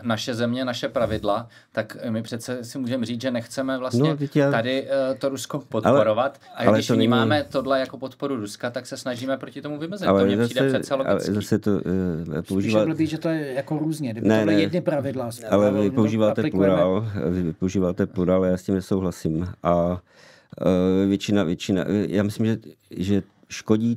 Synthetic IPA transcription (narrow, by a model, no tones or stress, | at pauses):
naʃɛzɛmɲɛnaʃɛpɾavɪdla | t̪akmɪpr̝̥ɛt̪t͡sɛsɪmuːʒɛmɛriːt͡sʒɛnɛxt͡sɛmɛvlasnɲɛt̪ɛcaːt̪adɪt̪oɾusko̞pot̪alɛoɾovat̪ʔaɡalɛdɪʃovnɛɲimaːmɛt̪o̞dlɛjako̞po̞t̪po̞ɾuɾuskat̪aksɛsnaʒiːmɛpɾocɪt̪o̞muvɪmɛzɪa̰lɛoɲɛzidɛɛsɛt͡sɛloɪt͡szasɛt̪opouʒiːvalbiʒɛt̪ojɛjakoɾuːzɲɛdɪnɪɛnɪɛɛnɪpɾavɪdlasalɛvɪpouʒiːvaːt̪ɛpluɾalvɪɪpouʒiːvaːt̪ɛpluɾalajaːstciːmnɛsowɦlasɪmʔa | vjɛt͡ʃɪnavjɛt͡ʃɪna̰jaːmɪslimʒɛʒɛ | ʃkoɟiː